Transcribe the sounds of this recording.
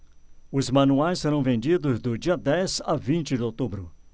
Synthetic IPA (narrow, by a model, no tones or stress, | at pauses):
ʊzmɐ̃nuajssːeɾɐ̃w̃vẽnd͡ʒid̪ʊzd̪ʊd͡ʒiɐd̪ɛzavĩnt͡ʃɪd̪ɪowt̪ubɾʊ